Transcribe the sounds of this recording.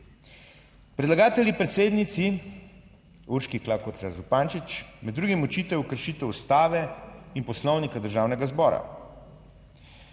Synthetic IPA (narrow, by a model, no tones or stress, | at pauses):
pɾɛd̪laɡaːt̪ɛljipɾɛt̪seːd̪nit̪si | uɾʃkiklaːkɔɾzazupaːnt͡ʃit͡ʃmɛd̪d̪ːɾuːɡimut͡ʃiːt̪ɛwjukəɾʃit̪ɛwust̪aːʋɛinpɔslɔwnikad̪əɾʒaːwnɛɡazbɔːɾa̰